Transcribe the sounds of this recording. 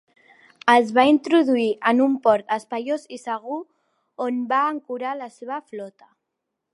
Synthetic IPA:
əzβaint̪ɾuðuiʔənumpɔɾt̪əspaʎozisəɣ̞u | onbaːŋkuɾalaseβ̞əflɔt̪a

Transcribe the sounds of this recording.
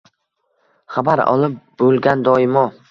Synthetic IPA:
χabaɾɒ̰lˠɪp̚bɵlˠɡʲand̪ɒɪmɒ

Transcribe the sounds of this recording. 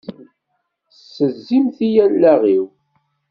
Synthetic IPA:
sːəzːimθijælːæʁiw

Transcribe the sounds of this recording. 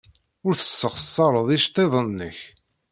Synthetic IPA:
ʊɾθə̥sːəχəsˤːɑɾˤəðˤiʃt̪ˤːeðˤənːəç

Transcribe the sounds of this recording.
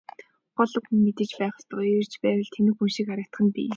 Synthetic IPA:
χɔɮɞ̆kxunmet̪ɘ̆t͡ɕpæːχə̥̆ɬt̪ə̆r̥t͡ɕpæːwə̆ɮt̪ʰenɘ̆xunʃĭkaɾə̆k̚t̪χə̆npḭː

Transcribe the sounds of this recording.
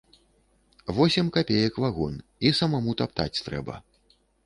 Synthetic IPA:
vɔsʲɛmkapʲejɐkvaɣɔnisɐmamut̪apt̪a̰t͡sʲt̪ɾɛ̰bɐ̰

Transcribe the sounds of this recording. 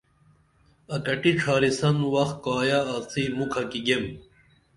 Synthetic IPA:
ɐkɐʈiʈ͡ʂʰaːɾisɐnwɐxkaːjaːt͡siːmukʰɐkiɡem

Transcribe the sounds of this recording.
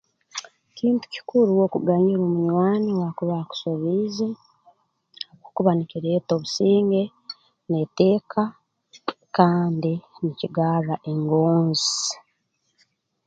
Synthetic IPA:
ciːntu̥ci̥kuɾuwokuɡaɲiɾomuɲwaːniwakuβaku̥soβize | okokuβaniciɾeːto̞ːβusiːŋɡe̞ | nete̞ːkʰa | kaːndiniciɡaːraʔe̞ŋɡoːnzi

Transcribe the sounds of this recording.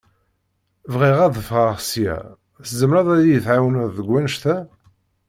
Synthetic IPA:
vʁiʁæðfʁɑʁsijæ̰ | szəmɾæðˤæjijəθʕawənæðəɡʷːænʃθæ

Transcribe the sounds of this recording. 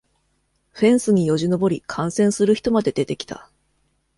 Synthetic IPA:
ɸẽ̞ɰ̃sɨɲ̟ijo̞ʑino̞bo̞ɾʲikʰãɰ̃sẽ̞ɰ̃sɨɾɯ̟çʲi̥t̪o̞mad̪e̞d̪e̞t̪e̞kʲi̥t̪a̰

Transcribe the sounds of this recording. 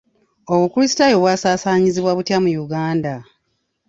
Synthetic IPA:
o̞βukulisi̥tajo̞βwaːsaːsaːɲiziβwaβutjamujuɡaːnda

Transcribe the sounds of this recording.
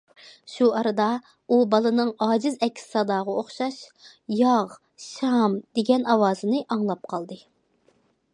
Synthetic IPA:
ʃuɑɾɨd̪ɑ | ubɑlˠɨnɨŋɑːd͡ʒɪzɛkʲʰːsɪ̥sɑd̪ɑːʁɑoχʃɑʃ | jɑʁ | ʃɑmd̪̥eɡʲɛnɑwɑːzɨnɨʔɑŋlˠɑp̚qʰɑlˠd̪ɨ

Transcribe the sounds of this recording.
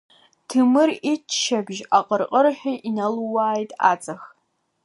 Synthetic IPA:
tʰɨmɨrit͡ʃʰʃɐbʒaqʼərqʼərħʷᶣiʔinɐlwaːjtʼa̰t͡sʼɐx

